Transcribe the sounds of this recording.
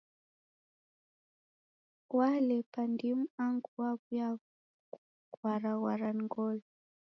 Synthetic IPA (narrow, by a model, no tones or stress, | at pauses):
walɛpandimuaŋɡuwakuja | kwaɾaɣwaɾaniŋɡɔlɔ